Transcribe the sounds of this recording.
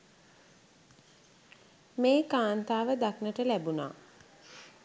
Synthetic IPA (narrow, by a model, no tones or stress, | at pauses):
meːkaːnt̪aːʋəd̪aknəʈəlæbuna̰ː